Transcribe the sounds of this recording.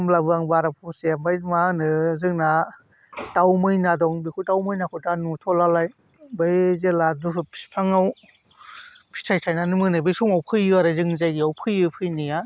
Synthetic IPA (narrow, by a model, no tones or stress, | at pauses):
mlabɯaŋbaɾapʰuseambajmanɯzɯŋna | tawmɯjnadɔŋbikʰutawmɯjnakʰɯtanutʰɔlalaj | bɯjzeladuɯpʰpʰaŋaw | pʰi̥tʰajtʰajnanɯmɯnɯbɯjsumawpʰɯjɯaɾɯzɯŋzajɡiawpʰɯjɯpʰɯjnija